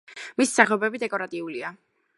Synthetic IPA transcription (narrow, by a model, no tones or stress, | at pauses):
missaχɛɔbɛbid̪ɛkʼɔɾat̪ʼiulia